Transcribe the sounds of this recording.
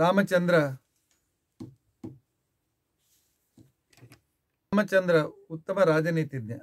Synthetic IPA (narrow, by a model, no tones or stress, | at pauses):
aːmɐt͡ʃɐnd̪ɾɐ | mɐt͡ʃɐnd̪ɾɐut̪ːɐmɐɾaːd͡ʒɐniːt̪id̪jɐ